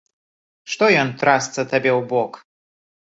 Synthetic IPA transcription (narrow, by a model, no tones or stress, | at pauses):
ʂt̪ɔjɔnt̪ɾast̪sɐt̪abʲewbɔk